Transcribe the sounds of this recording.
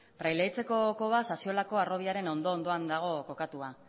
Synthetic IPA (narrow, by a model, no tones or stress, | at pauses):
pɾajlejt͡se̞ko̞ko̞βasasio̞lako̞aro̞β̞iaɾe̞no̞nd̪o̞ːnd̪o̞and̪aɣ̞o̞ko̞kat̪ua